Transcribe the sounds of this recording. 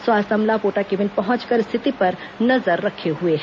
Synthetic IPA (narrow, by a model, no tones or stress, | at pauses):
swast̪əmlapoːʈakeʋɪnpəɦɔ̃nt͡ʃkəɾɪst̪ʰɪt̪ipɐɾnɐzəɾːɐkʰeɦue